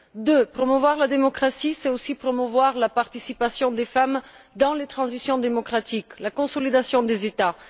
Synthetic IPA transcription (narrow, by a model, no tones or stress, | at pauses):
d̪øpχɔmuvwaʁlad̪emɔkχasisɛtosipχɔmuvwaʁlapaʁt̪isipasjɔ̃d̪efamd̪ɑ̃let̪χɑ̃zisjɔ̃d̪emɔkχat̪iklakɔ̃sɔlid̪asjɔ̃d̪ezet̪a